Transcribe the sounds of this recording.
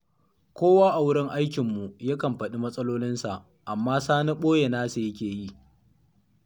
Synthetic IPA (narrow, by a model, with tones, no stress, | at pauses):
kʷoː˦waː˦ʔa˨wʊ˦ɽɪ˦ŋʔa˦jkʲɪ˨mːu˨ja˦kɐ˨mɸɐ˨ɗi˦mɐ˦sʼɐ˦loː˦lɪ˦nsa˨ʔ | ʔa˨mːaː˦saː˦na˦ɓoː˦je˨naː˦su˨jɐ˦kʲeː˨ji˦˨